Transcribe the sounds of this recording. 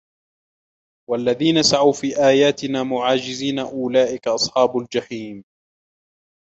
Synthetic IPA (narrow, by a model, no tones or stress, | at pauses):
walːaðiːnasaʕawfiːʔaːjaːt̪ɪnaːmʊʕaːd͡ʒɪziːnaʔʊlaːʔɪkaʔɑsˤħɑːbʊld͡ʒaħiːm